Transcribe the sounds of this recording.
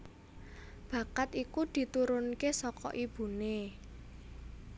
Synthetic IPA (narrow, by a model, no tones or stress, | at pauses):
b̥ä̤kat̪ikud̪̥i̤t̪uɾʊnkesɔkɔ̰ʔib̥ṳne